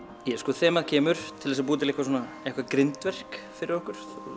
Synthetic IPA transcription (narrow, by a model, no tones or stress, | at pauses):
jɛskɔːθɛːmaðcʰɛːmʏɾ̥t̪ʰɪlɛs̬ap̬uːt̪̬ɪlɪhkvasɔːna | ehkvakɾɪnt̪vɛr̥kfɪɾɪɾvɔhkʏɾ̥